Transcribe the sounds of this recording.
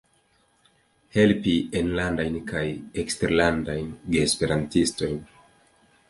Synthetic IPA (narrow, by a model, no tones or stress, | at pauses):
he̞lpienlandajnkajeksteɾlandajnɡeːspe̞ɾantisto̞jn